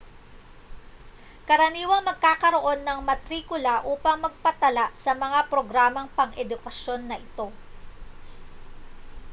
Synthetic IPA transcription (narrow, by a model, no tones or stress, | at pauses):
kɐɾɐniːwɐŋmɐɡ̚kaːkɐɾo̞ʔo̞nːɐŋmɐt̪ɾiːkʊlaʔuːpɐŋmɐɡ̚pɐt̪ɐlaʔsɐmɐŋapɾo̞ɡɾaːmɐŋpɐŋʔɛd̪ʊkɐʃjo̞nːɐʔɪt̪o̞